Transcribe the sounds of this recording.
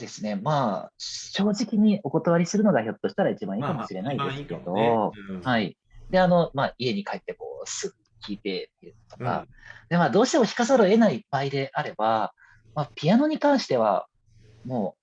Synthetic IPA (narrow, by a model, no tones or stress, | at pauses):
d̪e̞sɨne̞maːɕo̞ːʑikʲiɲ̟iʔo̞ko̞t̪aβ̞aɾʲisɨɾɯ̟no̞ɡaço̞t̪ːo̞ɕi̥t̪aɾait͡ɕibãɰ̃ikamo̞ɕiɾe̞naid̪e̞sɨ̥kʲe̞d̪o̞hai | d̪e̞ano̞maie̞ɲ̟ikait̪ːe̞ko̰ːsɨɡɯ̟kʲiːt̪e̞t̪ːeɯo̥t̪o̞ka̰ | d̪̥emaːd̪o̞ːɕi̥t̪e̞mo̞çi̥kasaɾoe̞naibaid̪e̞ʔaɾe̞ba | maːpʲiano̞ɲ̟ikãɰ̃ɕi̥t̪e̞βa̰ | moː